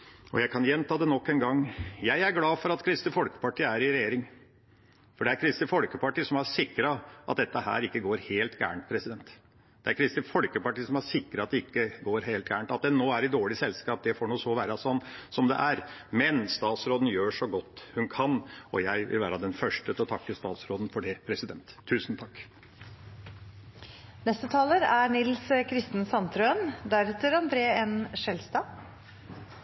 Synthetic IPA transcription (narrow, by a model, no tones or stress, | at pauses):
ɔ̰jæɪkʰɑnjɛnt̪ʰɑːd̪ɛnɔkːɛnɡɑŋːjæɪæɾɡlɑːfɔɾɑt̪kʰɾɪst̪ɪfɔlkə̥pɑʈʰiːæɾɪɾɛjeːɾɪŋ | fɔɖɛæɾkʰɾɪst̪ɪfɔlkəpɑʈiːsɔmæʂɪkːɾɑʔɑt̪̚d̪ɛt̪ːəhæ̰ːɾɪkːəɡoːɾheːlt̪ɡæ̰ːɳʈ̪̚pʰɾɛsɪd̪ɛnt̪ | d̪̥ɛæɾkʰɾɪst̪ɪfɔlkəpɑʈiːəsɔmæʂɪkːɾɑɑt̪̚d̪ɛɪkːəɡoːɾɦeːlt̪̚ɡæ̰ːɳt̪ɑt̪̚d̪ɛnːoːæɾɪd̪oːɭɪsɛlskɑːp̚d̪ɛfɔɳuːsɔʋæːɾɑsɔnːsɔmd̪ɛ̰ʔæɾmɛnst̪ɑːt̪sɾoːd̪n̩jøːʂɔɡɔt̪ːhʉnkʰɑnɔ̰jæɪʋɪ̰lʋæːɾɑd̪ɛnfœʂʈət̪ʰɪlɔt̪ʰɑkːəst̪ɑːt̪sɾoːd̪n̩fɔɖɛpʰɾɛsɪd̪ɛnt̪ʰːʉːsn̩t̪ʰɑkː | nɛst̪ət̪ʰɑːləɾæɳɪlskʰɾɪst̪ən̩sɑnt̪ɾønd̪æɾɛt̪əɾɑnd̪ɾeːɛnʂɛlst̪ɑː